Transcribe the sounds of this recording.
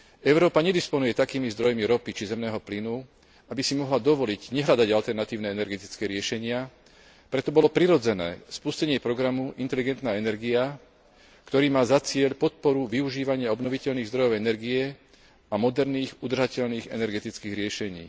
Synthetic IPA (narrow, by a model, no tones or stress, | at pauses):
ʔɛʊɾɔːpaɲɛd̪ispɔnujɛt̪akiːmizd̪ɾɔjmiɾɔpit͡ʃizɛmnɛːɦɔplinu | abisimɔɦlad̪ɔʋɔliɟɲɛɦʎad̪aɟalt̪ɛɾnat̪iːʊnɛɛnɛɾɡɛt̪it͡skɛːɾɪɛʃɛɲɪa | pɾɛt̪ɔbɔlɔpɾiɾɔd͡zɛnɛ̰ːspuscɛɲɪɛpɾɔɡɾamuʔint̪ɛliɡɛnt̪naːɛnɛɾɡia | kt̪ɔɾiːmaːzat͡sɪɛʎpɔt̪̚pɔɾuʋiuʒiːʋaɲɪaɔbnɔʋicɛʎniːɣzd̪ɾɔjɔʊɛnɛɾɡiɛ | amɔd̪ɛɾniːɣud̪r̩ʒacɛʎniːɣɛ̰nɛɾɡɛt̪it͡skiːɣɾɪɛʃɛɲḭː